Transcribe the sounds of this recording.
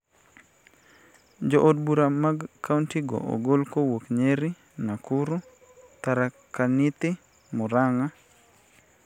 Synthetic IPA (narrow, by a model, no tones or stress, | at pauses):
d͡ʒoʔod̚buɾamaɡkːauntiɡo̰ʔo̰ɡolkowokɲeɾi | nakuɾu | t̪aɾa | kanit̪ɪ | mɔɾaŋa